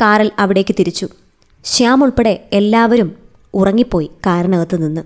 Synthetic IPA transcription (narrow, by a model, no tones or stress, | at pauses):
kaːɾɐlɐʋiɽe̞ːkːɨt̪iɾit͡ɕːu | ɕaːmuɭpe̞ɽe̞elːaːʋɐɾum | urɐŋːipːo̞ːjikaːɾɐnɐɣɐt̪ːɨninːɨ